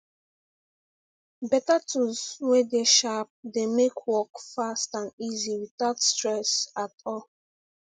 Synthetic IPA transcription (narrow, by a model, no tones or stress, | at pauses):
bɛtatʰuzwedeʃap̚demekʰwɔkfastãndiziwitatstɹɛsatɔ